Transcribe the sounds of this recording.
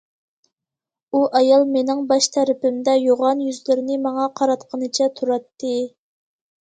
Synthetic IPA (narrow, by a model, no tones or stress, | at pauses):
uʔɑjɑlˠmenɪŋbɑʃt̪ʰæɾɪpɪmd̪ɛjoʁɑnjyzlɪɾɪnɪmɑŋɑqʰɑɾɑt̪qʰənɨt͡ʃʰɛt̪ʰuɾɑt̪ːɨ